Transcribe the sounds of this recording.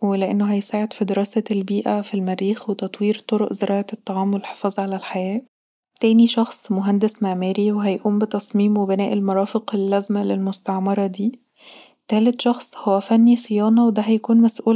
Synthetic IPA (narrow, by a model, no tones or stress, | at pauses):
weleʔenːoɦæjsaːʕed̪̥fid̪eɾˤɑːsælbiːʔæfilmæɾiːxwet̪ɑt̪ˤwiːɾt̪ˤoɾoʔzeɾʔɑːʕɑt̪ˤːɑʕɑːmwelħe̥fɑːzˤʕalælħajæː | t̪æːniʃɑxsˤmoɦænd̪esmaʕmæːɾiweɦæjʔuːmbet̪ɑsˤmiːmwebenæːʔelmɑɾˤɑːfeqelːæzmælelmost̪ɑʕmɑɾˤɑd̪iː | t̪æːlet̪ʃɑxsˤhowːæfænːisejɑːnɑwed̪æɦæjækuːnmæsʔuːl